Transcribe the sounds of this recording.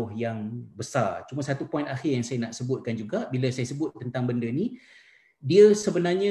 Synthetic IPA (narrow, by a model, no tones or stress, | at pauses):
ʊhjaŋbəsart͡ʃuməsat̪upɔĩnaxɪrjaŋsajanaʔsəbʊt̪̚kand͡ʒuɡaʔbiləsajasəbʊt̪ːənt̪aŋbəndəni | diəsəbənarɲã